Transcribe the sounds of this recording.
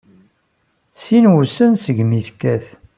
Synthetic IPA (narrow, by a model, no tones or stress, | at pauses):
sinwusənsəʝmiθkːæθ